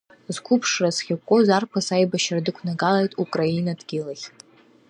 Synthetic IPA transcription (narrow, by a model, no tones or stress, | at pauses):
zkʷʰʊpʰʂrasχʲakʷʼozarkʷʰasajbaʃradɨkʷʰnaɡalajtʼukʼrainadɡʲɪlaχʲ